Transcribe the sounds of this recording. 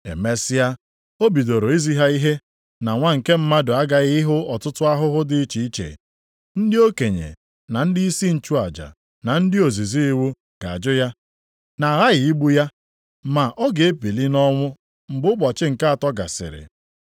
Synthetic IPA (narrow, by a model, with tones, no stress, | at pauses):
ḛ˨me˦sɪ˦a˦ | o˦bi˨do˨ɾo˨i˦zi˦ɦa˦i˦ɦe˦ | na˨ŋʷa˦ŋ̩˨ke˦m̩˦ma˦dʊ˨a˦ɡa˨ɣɪ˦ɦʊ˦ɔ˨tʊ˦tʊ˦a˦ɦʊ˦ɦʊ˦dɪ˨˦t͡ʃi˨i˦t͡ʃḛ˨ | n̩˦dɪ˦o˦ke˨ɲḛ˨ | na˨n̩˦dɪ˦i˦si˦n̩˨t͡ʃu˦a˨d͡ʒa̰˨ | na˨n̩˦dɪ˦o˨zi˨zi˦i˦wu˦ | ɡ̥a̰˨a˨d͡ʒʊ˦ja˦ | na˨ɾa˦ɣɪ˨i˦ɡ͡bu˦ja˦ | ma˨ʔɔ˦ɡe˨e˦pi˨li˦nɔ˦ŋʷʊ˦ | m̩˨ɡ͡bʊ˦ɡ͡bɔ˨t͡ʃɪ˦ŋ̩˨ka˦a˨tɔ˦ɡa̰˨sɪ̰˨ɾɪ̰˨